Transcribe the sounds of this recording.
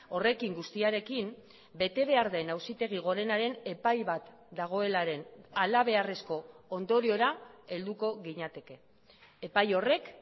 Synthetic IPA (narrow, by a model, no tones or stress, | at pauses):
o̞re̞kiŋɡust̪iaɾe̞kim | be̞t̪e̞β̞e̞aɾðajnawsit̪e̞ɣ̞iɣ̞o̞ɾe̞naɾe̞ne̞pajβat̪ | d̪aɣ̞o̞e̞laɾe̞nalaβ̞e̞are̞sko̞ond̪o̞ɾio̞ɾae̞ld̪uko̞ɣiɲat̪e̞ke̞ː | pajo̞re̞k